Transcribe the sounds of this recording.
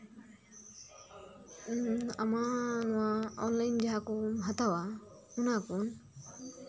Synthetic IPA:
amanɔwaɔnlajnd͡ʒaɦakɔɦat̪awa | unakun

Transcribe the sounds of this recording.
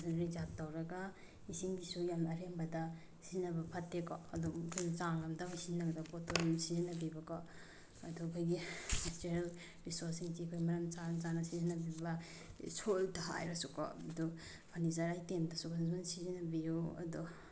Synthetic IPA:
saɾizatːawɾɐɡa | isiŋɡisujamɐɾembɐdɐ | sizinɐbɐpʰatːekɔ̰ɐdɔmkʰjnt͡ʃaŋlamdabsizinɐɡɐdapotojamsizinɐbibɐkɔ | ɐdɔkʰojɡiastiɾel | ɾisoɾsiŋsikʰojmɐɾɐmt͡ʃat͡ʃanɐsizinɐbiba | sʰoltaɦa̰jɾasukɔ̰ɐdɔ | pʰanizaɾajtemdɐsukʰazmansizinabijuɐ̰dɔ

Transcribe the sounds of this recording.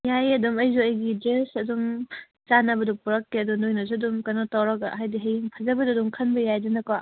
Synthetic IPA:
jajɐdumɐjzuɐjɡid͡ʒesɐdum | zanɐbɐdupuɾɐkːeɐdunojnɐzuɐdumkɐnɔtawɾɐɡa̰ɦajdiɦejŋpʰazɐbɐdudumkʰɐnbɐjajdɯnɐka

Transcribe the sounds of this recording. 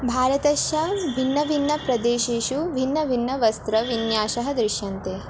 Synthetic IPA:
bʱaːɾɐt̪ɐʃjɐʋʱinːɐʋinːɐpɾɐd̪eːʃeːʃuʋʱinːɐʋʱinːɐʋɐst̪ɾɐʋinjaːʃɐɦɐ̆d̪ɾɪʃjɐnt̪eː

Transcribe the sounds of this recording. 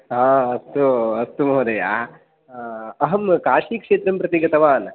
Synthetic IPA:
ɦãːɐst̪uɐst̪umɐɦɐd̪ɐja̰ː | ɐɦɐmkaːʂiːkʂeːt̪ɾɐmpɾɐt̪iɡɐt̪ɐʋaːn

